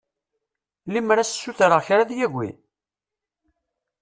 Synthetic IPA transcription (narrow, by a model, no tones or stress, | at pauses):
limɾassːuθɾəʁçɾaðjæʝʷːḭ